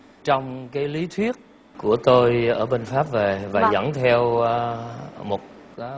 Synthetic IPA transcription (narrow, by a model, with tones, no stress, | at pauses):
t͡ɕɔ˧wŋ͡mkaː˨˦jli˨˦t̪ʰwi˦˥ət̚ | ku˧˩ət̪o˧jʔəː˧˩ɓe˧nfaː˦˥p̚ve˨˩vaː˨˩zə̰˧˥˩ŋt̪ʰɛ˧w | mo˨˩t̚